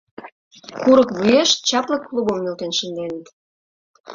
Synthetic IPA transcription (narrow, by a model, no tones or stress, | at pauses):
kuɾə̆kβujeʃt͡ɕɑpləkːlˠubəmnølt̪enʃə̆nd̪enə̆t̪